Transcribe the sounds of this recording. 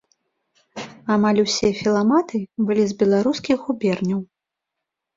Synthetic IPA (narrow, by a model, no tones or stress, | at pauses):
amalʲusʲɛfʲilˠamat̪ɨbɨlʲizbʲɛlˠaɾuskʲixɣubʲɛrnʲɐw